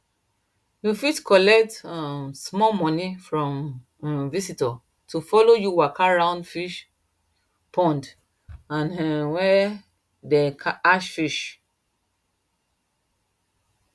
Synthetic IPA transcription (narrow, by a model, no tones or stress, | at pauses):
jufitkʰɔlɛk̚tãsmɔmɔnifɹɔ̃m | visitɔ | tʰufɔlojuwakʰaɹãʊ̃ndfiʃ | pʰɔ̃nd | ãnɛwɛ | dɛkʰaaʃfiʃ